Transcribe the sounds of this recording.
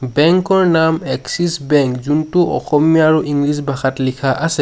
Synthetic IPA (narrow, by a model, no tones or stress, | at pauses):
bɛŋkɔɹnamɛksisbɛŋkzuntuʔɔ̰xɔmjaaɹuʔiŋɡɹis̬bʱaxatlikʰaʔasɛ